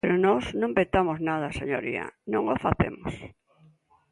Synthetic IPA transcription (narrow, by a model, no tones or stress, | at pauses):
peɾʊnɔsnõmbet̪amoznað̞ɐseɲoɾḭɐ̰nõŋofaθḛmos